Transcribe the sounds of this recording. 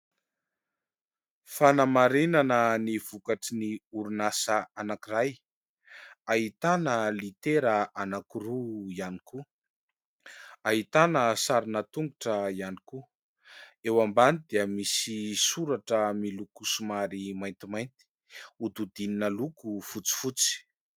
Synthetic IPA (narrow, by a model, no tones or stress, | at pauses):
fanamaɾinanəniv̥ukaʈ͡ʂiniuɾunasəanakiraj | aɦit̪anəlit̪eɾəanakiɾuianiku | aɦit̪anəsaɾinət̪uŋɡuʈ͡ʂəianiku | ewambanid̪iəmisisuɾaʈ͡ʂəmilukusumaɾimajnt̪imajnt̪i̥ | ud̪ud̪ininəlukufut͡si̥fut͡si̥